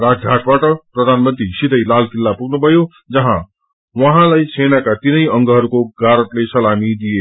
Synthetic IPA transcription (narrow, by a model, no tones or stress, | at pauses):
rad͡zɡʱaʈbaʈʌprʌd̪ʱanmʌnt̪ɾisid̪ʱʌjlalkilːapuɡnubʱʌjo | d͡zʌɦã | wʌɦãlajsʰenakat̪inʌjʌŋɡʌɦʌɾukoɡaɾʌt̪lesʌlamid̪ije